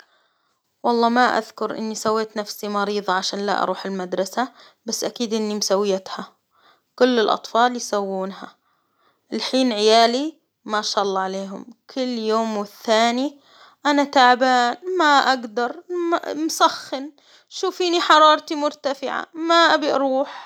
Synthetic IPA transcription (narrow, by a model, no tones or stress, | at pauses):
wɑlˤːɑːmaʔa̰ðkʊɾʔɪ̰nːisawːeːt̪nafsimɑɾiːðˤɑʕaʃaːnla̰ʔɑ̰ɾˤuːħɪlmad̪ɾˤɑsa | basːʔakiːd̪ʔɪnːimsawːɪjat̪ha | kʊlːɪlʔɑ̰t̪ˤfɑːljsawːuːnɦa | ɪlħiːnʕɪjaːli | maʃaːʔɑlˤːɑːʕaleːɦʊmkʰʊlːjoːmwɪθːaːni | ʔanat̪aʕbaːnmaʔaɡd̪ɑɾˤmamsaxːɪn | ʃuːfiːniħɑɾˤɑːɾˤt̪imʊɾt̪afɪʕa̰maʔabiʔɑ̰ɾˤuːħ